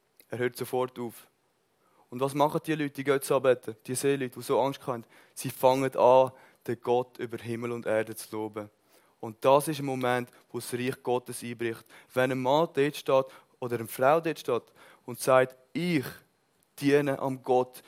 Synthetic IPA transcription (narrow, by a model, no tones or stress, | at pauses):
ɛːɾhøːɾtsofɔɾtuːf | ʊndvɑːsmɑχət̚d̥iəlyt̚d̥iəɡœtsɑbɛtʰəd̥iːəseːlyːtʋoːsoɑŋʃt̚kχɑɛnd | siːfɑŋədɑː | d̥əɡ̥ɔtʏbəɾɦɪməlʊndɛːɾdət͡sloːbə | ʊnt̚d̥ɑːsɪʃ̬ənmomɛnt | vosriːχɡ̥ɔtəsiːbɾɪχtvɛnəmːɑːd̥etʃtɑːt | odəɾənfraʊdeːtʃtɑːt | ʊntsaɪt | ɪχ | d̥iənəʔɑ̰mɡɔt